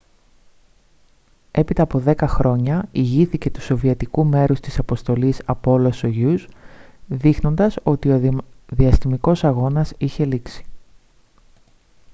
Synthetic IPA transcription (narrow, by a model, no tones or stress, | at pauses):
e̞pit̪ɐːpo̞ðe̞kɐxɾo̞ɲɐiʝiθice̞t̪u̥so̞viɐt̪ikume̞ɾust̪isɐpo̞st̪o̞lisɐpo̞lo̞soʝuz | ðixno̞nd̪ɐso̞t̪io̞ðiɐst̪imiko̞sɐɣo̞nɐsiçe̞liksi̥